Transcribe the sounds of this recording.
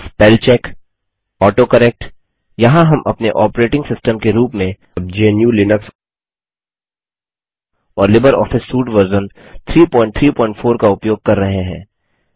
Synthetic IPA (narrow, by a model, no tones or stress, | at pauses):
spɛːlt͡ʃɛːk | ɔːʈokɐɾeːk̚ʈ | jɐɦãɦɐmʔɐ̰pneʔɔːpɾeːʈɪ̃ŋɡsɪsʈəmkeɾuːpmẽ | d͡ʒenjulɪnəks | ɔːɾlɪbəɾɔ̰ːfɪsːuːʈʋəɾzənt̪ʰɾiːpɔ̃ːɪ̃ɳʈ̚t̪ʰɾiːpɔ̃ːɪ̃ɳʈfʰoːɾkaʊpjoːɡ̚kɐɾːɐɦeɦɛ̰̃ː